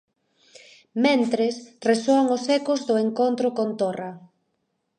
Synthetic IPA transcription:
mẽnt̪ɾesresoaŋosɛkʊzðʊeŋkont̪ɾʊkont̪orɐ

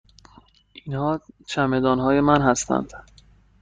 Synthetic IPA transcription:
ʔinhɒːt͡ʃʰæme̞d̪ɒːnɦɒːje̞mænɦæst̪ʰæ̰nd̪̥

